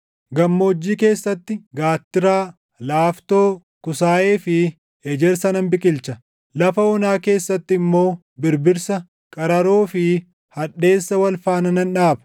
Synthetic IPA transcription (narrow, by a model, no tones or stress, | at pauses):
ɡɐmːo̞ːd͡ʒːiːke̞ːsːɐt̪ːɪɡaːt̪ːɪɾaː | laːft̪oː | kʊsaːeːfɪ | ɛd͡ʒɛɾsɐnɐmbɪkʼɪlt͡ʃɐ | lɐfɐɔnaːke̞ːsːɐt̪ːɪɪmːo̞ː | bɪɾbɪɾsɐ | kʼɐɾɐɾoːfɪ | hɐᶑe̞ːsːɐwɐlfaːnɐnɐnᶑaːbɐ̥